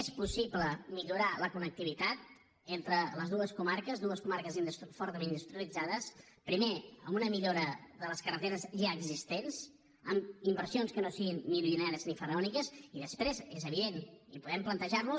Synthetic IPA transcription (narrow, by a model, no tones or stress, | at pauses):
espusibləmiʎuɾaləkunək̚t̪iβit̪at̪̚ | ent̪ɾələzðuəskumaɾkəzðuəskumaɾkəzind̪ust̪fɔɾt̪əmend̪ust̪ɾiəlid͡zaðəs | pɾimeə̰mbunəmiʎoɾəðələskərət̪eɾəzʒaəɡzist̪enz̥ | əmimbəɾsionskənosiɣinːiβiunɛɾəznifərəɔnikəziðəspɾezezəβ̞iðenipuðɛmplənt̪əʒarlu